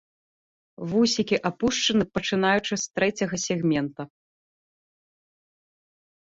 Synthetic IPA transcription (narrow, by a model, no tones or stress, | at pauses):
vusʲikʲiʔapuʂt͡ʂɐnɨpɐt͡ʂɨn̪ajut͡ʂɨst̪ɾɛt͡sʲɐɣɐsʲɛɣmʲɛnt̪ɐ